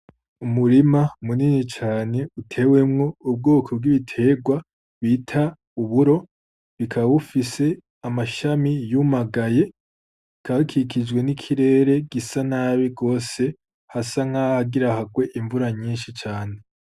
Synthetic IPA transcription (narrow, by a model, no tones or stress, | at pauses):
umuɾimamuninit͡ʃaːne̞utʰe̞we̞mŋo̞ub̚ɡo̞ːkʰob̚ɡiβitʰe̞ɡwa | βiːtʰa | uβuɾo̞ | βikʰaβaβufise̞ | amaʃamijumaɡaje̞ | kʰakʰikid͡ʒwe̞nikʰiɾe̞ːɾe̞ɡisanaːβiɡo̞ːse̞ | hasaŋ̥hahaɡiɾahaɡwe̞ʔiɱvuɾaɲiːnʃit͡ʃaːne̞